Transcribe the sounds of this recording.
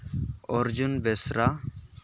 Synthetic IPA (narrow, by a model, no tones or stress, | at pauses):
ɔɾd͡ʒunbɛsɾa